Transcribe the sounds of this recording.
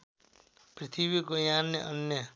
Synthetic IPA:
prit̪ʰibikojanjʌ̰ʔʌnjʌ

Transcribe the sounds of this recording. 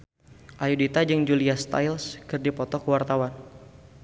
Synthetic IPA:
ʔajudit̪ad͡ʒɨŋd͡ʒuliast̪a̰jlskɨrdipɔt̪ɔkəwart̪awan

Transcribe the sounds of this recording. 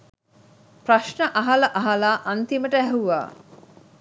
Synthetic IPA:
pɾaʃɳəʔaɦalɐʔaɦalaːʔant̪iməʈəæɦuʋa̰ː

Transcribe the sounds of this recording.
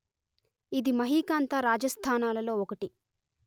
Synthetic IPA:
id̪imɐɦiːkaːnt̪aːɾaːd͡ʒɐst̪ʰaːnaːlɐlo̞ːɔkɐʈi

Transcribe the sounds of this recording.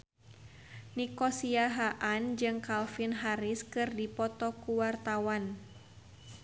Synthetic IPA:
nikɔsiaɦaʔand͡ʒɨŋkalfinɦaɾɪskɨrdipɔt̪ɔkuwart̪awan

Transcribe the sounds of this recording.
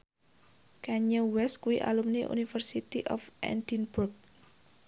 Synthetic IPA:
kaɲəwɛskuiʔa̰lumniʔṵnifərsit̪iʔɔfʔɛ̰nd̪inburk̚

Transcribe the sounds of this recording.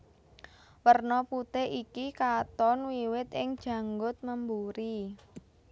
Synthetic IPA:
wərnɔput̪eʔikikat̪ɔnwiwɪt̪ɪŋd̥ʒ̥ä̤ŋɡʊt̪̚məmbuɾi

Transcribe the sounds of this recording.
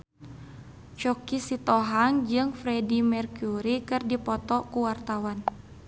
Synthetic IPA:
t͡ʃɔkisit̪ɔɦaŋd͡ʒɨŋfɾɛdimɛrkuɾikɨrdipɔt̪ɔkuwart̪awan

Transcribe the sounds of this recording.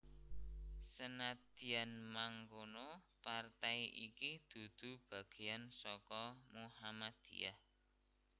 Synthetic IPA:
sənad̪̥i̤anmaŋkonɔpart̪ajʔikid̪̥ṳd̪̥ṳb̥a̤ɡ̥e̤jansɔkɔmuhamad̪̥ḭjah

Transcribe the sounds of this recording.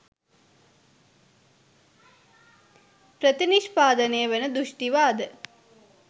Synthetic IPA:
pɾət̪iniʃpaːd̪ənejəʋenəd̪uʃʈiʋaːd̪ə

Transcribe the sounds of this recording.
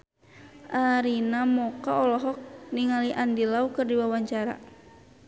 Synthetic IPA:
ʔaɾinamɔkaɔlɔɦɔk̚niŋaliʔandilaukɨrdiwawaɲt͡ʃaɾa̰

